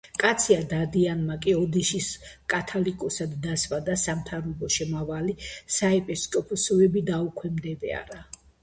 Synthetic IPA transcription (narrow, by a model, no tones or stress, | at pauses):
kʼat̪sʰiad̪ad̪ianmakʼiɔd̪iʃiskʼat̪ʰalikʼɔsad̪ːasvad̪asamt̪ʰaɾɔbɔʃɛmavalisaɛpʼɛskʼɔpʰɔsɔɛbid̪aukʰwɛmd̪ɛd̪ɛ̰a̰ɾa